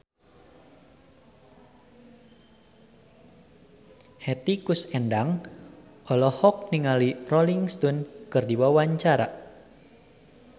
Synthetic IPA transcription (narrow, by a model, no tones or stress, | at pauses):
hɛt̪ikusɛndaŋ | ɔlɔhɔk̚niŋalirɔliŋst̪ɔnkɨrdiwawaɲt͡ʃaɾa